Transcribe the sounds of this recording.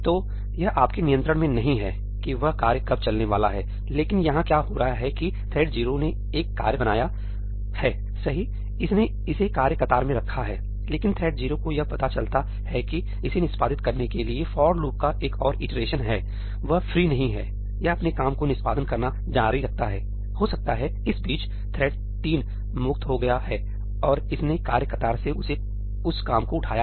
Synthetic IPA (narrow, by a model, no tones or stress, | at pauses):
t̪oː | jɐɦʔaːpkenijə̃nt̪ɾəɽ̃mẽnɐɦĩɦɛː | kiʋɐɦkaːɾjəkɐb̚t͡ʃɐlneʋa̰ːla̰ɦɛː | leːkɪnjɐɦãkjaːɦoːɾɐɦaɦɛkit̪ʰɛːɖd͡ʒiːɾone | eːkːa̰ːɾjəbɐnaːja | hɛː | sɐɦi | ɪsne | ɪsekaːɾjəkɐt̪aːɾmẽɾɐkʰːaɦɛː | leːkɪnt̪ʰɛːɖ̚d͡ʒiːɾokojɐpɐt̪at͡ʃɐlt̪a | hɛki | ɪsenɪspaːd̪ɪt̪̚kɐɾnekeliefɔːɾluːp̚kaʔeːkɔːɾɪʈəɾeːʃənɦɛː | ʋɐɦfɾiːnɐɦĩɦɛ̰ː | jaɐpnekaːmkonɪspaːd̪ənkɐɾna | d͡ʒaːɾiɾɐk̚t̪aɦɛː | hosɐk̚t̪aɦɛ | ɪsbiːt͡ʃ | t̪ʰɾɛːɖ | t̪iːn | mʊkt̪ɦoɡɐjaɦɛː | ɔːɾɪsnekaːɾjəkɐt̪aːɾseʊse | ʊskaːmkoʊʈʰaːja